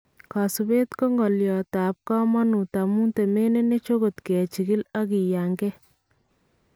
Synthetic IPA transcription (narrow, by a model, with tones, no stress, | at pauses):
ka˨su˨be˦tkɔ˦ŋɡɔ˨ljɔ˨ta˨p̚kɔ˦mɔ˦nu˨ta˨mu˦nte˨me˦ne˦ne˦t͡ʃo˦ko˨t̪kɛ˨t͡ʃi˨ɡi˦la˦ki˨ja˨ŋɡɛ˦